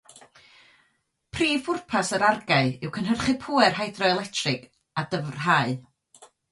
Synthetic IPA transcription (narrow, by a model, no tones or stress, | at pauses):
pʰriːvʊrpʰasəɾarɡaɨɪwkʰənɦərχɪpʰuːɛrɦajdrɔɛlˠɛtʰrɪɡ̥ | adəvrɦaːɨ